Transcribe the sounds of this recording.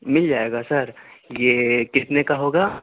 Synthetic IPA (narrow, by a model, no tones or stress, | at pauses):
mɪld͡ʒaːeːɡasɐɾjekɪt̪nekaɦoːɡaː